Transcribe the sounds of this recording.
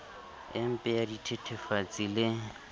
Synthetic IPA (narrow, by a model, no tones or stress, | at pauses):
ɪm̩pʼɛjaditʰetʰɛfat͡sʼilɪ